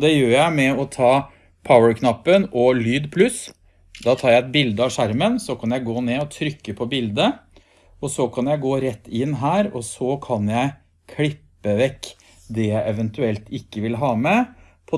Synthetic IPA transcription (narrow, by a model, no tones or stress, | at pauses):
d̪ɛjøːɾjæɪmɛɔt̪ʰɑː | pʰaʊəɾkʰnɑpːənɔlyːd̪pʰlʉs | d̪ɑːt̪ʰɑːɾjæɪɛt̪̚bɪld̪əɑʋʂæɾmənsɔkʰɑnjæɪɡoːneːɔt̪ʰɾʏkːəpʰɔbɪld̪ə | ɔsɔkʰɑnjæɪɡoːɾɛt̪ːɪnːɦæːɾɔsɔkʰɑnjæɪ | kʰlɪpːəʋɛkː | d̪ɛjæɪʔɛʋɛnt̪ʉɛlt̪ɪkːəʋɪlɦɑːmɛ | pʰɔ